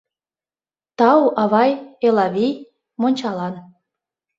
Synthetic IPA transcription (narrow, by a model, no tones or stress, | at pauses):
t̪ɑwʔɑβɑjelɑβʲij | monʲt͡ɕɑlɑn